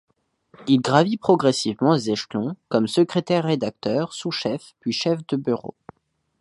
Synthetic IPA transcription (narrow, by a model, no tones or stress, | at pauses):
ilɡʁavipχɔɡʁɛsivmɑ̃ezɛʃlɔ̃kɔmsəkχet̪ɛʁːed̪ak̚t̪œʁsuʃɛfpɥiʃɛfd̪əbyʁo̰